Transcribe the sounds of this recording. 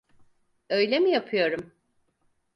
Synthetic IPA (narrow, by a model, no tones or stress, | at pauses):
ø̞jlʲemijapʰɯjo̞ɾum